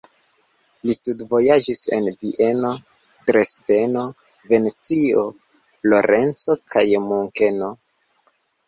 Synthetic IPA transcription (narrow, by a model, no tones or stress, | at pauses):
listudvo̞jad͡ʒise̞̰nviʔe̞no̞ | dɾesde̞no̞ | ve̞net͡sio | flo̞ɾe̞nt͡so̞kʰajmuŋke̞no̞